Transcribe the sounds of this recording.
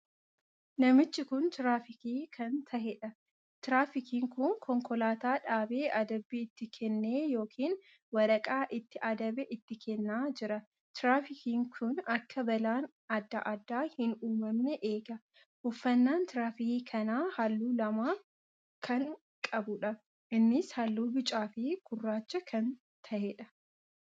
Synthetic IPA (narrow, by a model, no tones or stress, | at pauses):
nɐmɪt͡ʃːɪkʊnt̪ɪɾaːfɪkiːkʰɐnt̪ʰɐhɛᶑɐ | t̪ɪɾaːfɪkiːŋkʊŋkʰɔŋkɔlaːt̪aːᶑaːbeːʔɐd̪ɐbːiːɪt̪ːɪkʰɛnːe̞ːjo̞ːkʰiːn | wɐɾɐkʼaːʔɪt̪ːɪʔɐd̪ɐbɛʔɪt̪ːɪkʰɛnːaːd͡ʒɪɾɐ | t̪ɪɾaːfɪkiːŋkʰʊnɐkːɐbɐlaːn | ɐd̪ːɐʔɐd̪ːaːhɪnuːmɐmnɛʔeːɡɐ | hʊfːɐnːaːnt̪ɪɾaːfɪkiːkʰɐnaːhɐlːuːlɐmaːf | kʰɐŋ | kʼɐbʊᶑɐ | ʔɪnːɪshɐlːuːbɪt͡ʃʼaːfiːkʊrːaːt͡ʃːɐkʰɐn | t̪ʰɐhɛᶑɐ